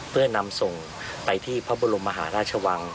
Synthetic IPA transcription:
pʰɯ˥˩ɐna˧mso˨˩ŋ | pa˧jt̪ʰiː˥˩pʰɔ˦˥bu˧ɾu˧mːa˧ɦaː˩˦ɾaː˥˩t̚t͡ɕʰə˧wa˧ŋ

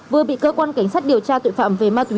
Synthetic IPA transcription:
vɨ˨˩əɓḭ˧˨kəː˧kwaː˧nka˨˩˦jŋ̟saː˦˥t̚ɗi˨˩əwt͡ɕaː˧t̪o̰˧˨fa̰ː˧˨mve˨˩maː˧t̪wi˨˦

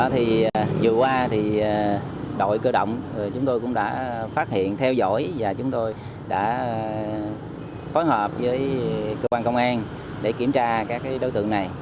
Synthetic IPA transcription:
t̪ʰi˨˩zɨ˨˩kwaː˧t̪ʰi˨˩˨ | ɗo̰˧˨jkəː˧ɗə̰˧˨wŋ͡mt͡ɕʊ˨˦ŋ͡mt̪o˧jkʊ̰˧˥ŋ͡mɗa̰ː˧˥faː˦˥t̚hḭ˧˨ənt̪ʰɛ˧wzo̰˧˥jvaː˨˩t͡ɕʊ˨˦ŋ͡mt̪o˧j | ɗa̰ː˧˥ | foː˨˦jɦəː˨˩p̚vəː˨˦jkəː˧kwaː˧nkə˧wŋ͡mʔaː˧n | ɗe˧˩ki˧˩əmt͡ɕaː˧kaː˦˥k̚kaː˨˦jɗo˨˦jt̪ɨ̰˧˨əna˨˩j

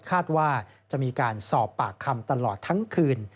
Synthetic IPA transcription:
kʰaː˥˩t̪̚waː˥˩ | t͡ɕa˨˩ʔmiː˧kaː˧nsɔː˨˩pːaː˨˩kʰːa˧mt̪a˧lɔː˨˩t̪ʰːa˦˥ŋkʰɯː˧n

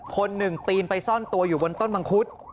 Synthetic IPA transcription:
kʰo˧nːɯ˨˩ŋp̪iː˧npa˧jsɔ˥˩nt̪u˧ɐjuː˨˩wo˧nt̪o˥˩nba˧ŋkʰu˦˥t̪̚

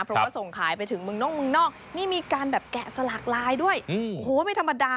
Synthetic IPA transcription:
pʰɾɔ˦waː˥˩so˨˩ŋkʰaː˩˦jpa˧jt̪ʰɯ˩˦ŋmɯ˧ŋnɔː˥˩ŋ̚mɯ˧ŋnɔː˥˩k̚niː˥˩miː˧kaː˧nbɛː˨˩p̚kɛ˨˩sa˧la˨˩k̚laː˧jdu˥˩əjhoː˨˦ma˧jt̪ʰa˧mːa˧daː˧

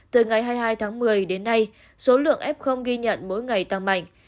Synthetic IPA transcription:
t̪ɨ˨˩ŋa˨˩jɦaː˧jɦaː˧jt̪ʰaː˨˦ŋmɨ˨˩əjɗe˨˦nːa˧j | so˨˦lɨ̰˧˨əŋʔɛ˦˥p̚xə˧wŋ͡mɣi˧ɲə̰˧˨nmo̰˧˥jŋa˨˩jt̪a˧ŋma̰˧˨jŋ̟

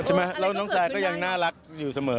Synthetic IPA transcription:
t͡ɕʰe˥˩ma˦˥ɾɛː˦˥wnɔː˦˥ŋsaː˨˧˦jkɔː˥˩ja˧ŋnaː˥˩ɾa˦˥k̚juː˨˩sa˧mɤː˩˦

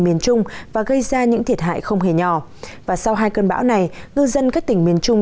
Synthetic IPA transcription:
mi˧˩ənt͡ɕʊ˧ŋ͡mvaː˨˩ɣə˧jzaː˧ɲɨ̰˧˥ŋt̪ʰi˨˩ət̚ɦa̰ː˧˨jxə˧wŋ͡mɦe˧˩ɲɔ˨˩vaː˨˩sa˧wɦaː˧jkəː˧nɓa̰ː˧˥wna˨˩jŋɨ˧zə˧nkaː˦˥k̚t̪ï˨˩ŋmi˧˩ənt͡ɕʊ˧ŋ͡m

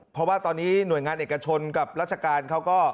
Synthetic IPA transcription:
pʰɾɔ˦˥waː˥˩t̪ɔː˧nːiː˦˥nu˨˩əjŋaː˧nʔeː˨˩ka˧t͡ɕʰo˧nka˨˩p̚ɾaː˥˩t͡ɕʰa˧kaː˧nkʰa˦˥wkɔː˥˩

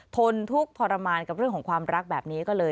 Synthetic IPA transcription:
t̪ʰo˧nt̪ʰu˦˥k̚pʰɔː˧ɾa˧maː˧nka˨˩ɾɯ˥˩əŋkʰɔ˩˦ŋkʰwaː˧mɾa˦˥k̚bɛː˨˩p̚niː˦˥kɔː˥˩lɤː˧

